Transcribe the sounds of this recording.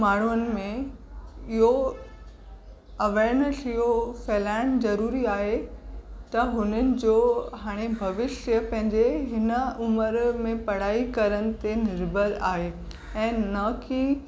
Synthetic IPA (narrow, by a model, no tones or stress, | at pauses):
maːɳ̤uənɪ̆mẽ | ɪɦo | ɐʋeːɾnəsɪɦofɛːlaːɪɽ̃zɐɾuːɾiaːɦe | t̪ɐɦʊnənɪ̆d͡ʑoːɦaːɽ̃ebʱɐʋɪʃjəpɐ̃ɦɪ̃ɲd͡ʑeɦɪnəʊməɾmẽpɐɽ̤aːikɐɾənɪ̆t̪enɪɾbʱəlaːɦeː | ɛ̃ːnɐki